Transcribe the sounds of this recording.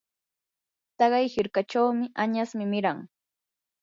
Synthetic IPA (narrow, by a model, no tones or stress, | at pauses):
t̪ɑɢɑjhɪɾkaʈ͡ʂawmɪʔaɲasmɪmɪɾaŋ